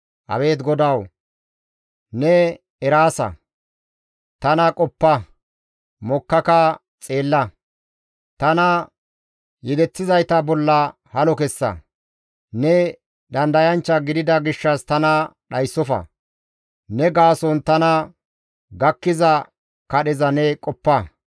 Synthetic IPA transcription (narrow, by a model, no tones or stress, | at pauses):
hɐ̰we̞ːt̪ɡɔd̪ɐw | nɛ | ɛɾaːsɐ̰ | t̪ɐnɐkʼɔpːɐ | mɔkːɐkɐ | t͡sʼe̞ːlːɐ | t̪ɐnɐ | jɛd̪ɛt͡sːɪzɐjt̪ɐbɔlːɐ | hɐlɔkɛsːɐ̰ | nɛ | d̪ɐnd̪ɐjɐnt͡ʃːɐɡɪd̪ɪd̪ɐɡɪʃːɐst̪ɐnɐɗɐjsːɔfɐ̰ | nɛɡaːsɔnt̪ɐnɐ | ɡɐkːɪzɐ | kɐɗɛzɐnɛkʼɔpːɐ